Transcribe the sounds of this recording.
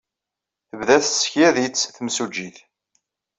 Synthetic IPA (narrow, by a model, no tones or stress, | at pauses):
θəvðæθsçæðit͡sːθəmsud͡ʒiθ